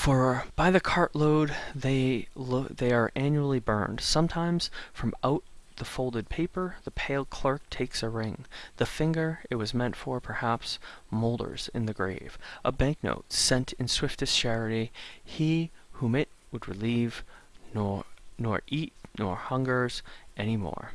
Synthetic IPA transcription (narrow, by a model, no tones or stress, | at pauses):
fə˞b̥aɪðɨkʰɑɹʔloʊd̪ðeɪlðeɪə˞ʔæ̃njul̩ˠibɜ̰̃˞nd̥sʌ̃mtʰãɪ̃mz̥fɹʌ̃maʊt̪̚ðəfoʊlˠdɨd̚pʰeɪpə˞ðəpʰeɪlˠkʰl̥ɜ˞k̚tʰeɪksəɹɪ̃ŋðɨfɪ̃ŋɡə˞ɨt̚wʌzmɛ̃ntfə˞pʰə˞hæpsmoʊlˠdə̰˞z̥ɨ̰̃nðɨɡɹḛɪv̥ʔəbæ̃ŋk̚no̰ʊtsɛ̃ntʰɨ̃nswɪftɨst͡ʃɛɹɨɾiihũmɪt̚wəd̚ɹɨliv̥nnɔ̰ɹʔit̚ⁿnɔ̰ɹhʌ̃ŋɡə˞z̥ʔɛñimɔ̰ɹ